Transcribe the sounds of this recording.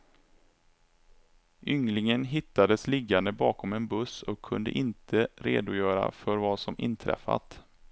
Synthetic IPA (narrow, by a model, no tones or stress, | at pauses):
ʔʏŋlɪŋənɦɪt̪ːad̪əslɪɡːand̪əbɑːkɔmɛnbɵsɔkʰːɵnd̪ə̰ʔɪnt̪ʰəɾḛːd̪ʊjœːɾa̰fœɾvasɔmʔɪ̰nt̪ʰɾɛ̰fːa̰t̪